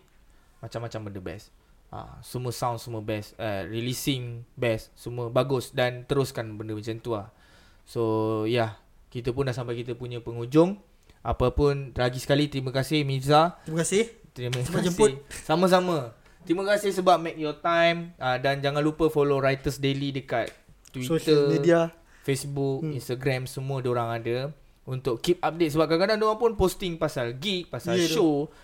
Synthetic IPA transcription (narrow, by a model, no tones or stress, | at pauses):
mat͡ʃamːat͡ʃambəndəbɛ̰s | ʔa̰səmũəsãwnsəmuəbɛsə̰ɾilisɪŋbɛsːəmũəbaɡʊsdant̪əɾʊskanbəndəmasənt̪uah | sojah | kit̪əp̬ʊnlaʔsampajkit̪əpuɲə̃pəŋud͡ʒʊŋ | ʔa̰papʊnlaɡisə̥kalit̪ɾimə̃kasɪhmisaimkasɪt̪ɾiməkad͡ʒəhsamə̃s̬amə̃ | t̪ɾimə̃kasɪhsəbap̚mɛk̚jɔt̪ajmədand͡ʒaŋanlupəfoloɾajt̪əsdelidəkat̪̚ː | wit̪əmidia | fesbuk̚inst̪aɡɾamsəmũədoɾaŋadə | unt̪ʊkkip̚ap̚det̪səbap̚kakadaŋdoaŋpʊnpost̪ɪŋpasalɡik̚pasalʃo